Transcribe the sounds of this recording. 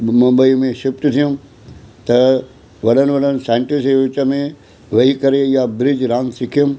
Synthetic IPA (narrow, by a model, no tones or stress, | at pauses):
mɐmbəimẽʃɪp̚ʈ̪t̪ʰijũm | t̪ɐ | ʋɐɗənʋɐlənsaːɪɳʈɪseʋɪt͡ʃəmẽ | ʋɐikɐɾejabɾɪd͡ʒɾãːnsɪkʰijum